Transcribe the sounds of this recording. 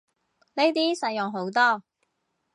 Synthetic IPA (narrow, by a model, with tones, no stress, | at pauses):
ne˥jt̪iː˥sɐ˧jːʊ˨ŋɦo˨˥wt̪ɔː˥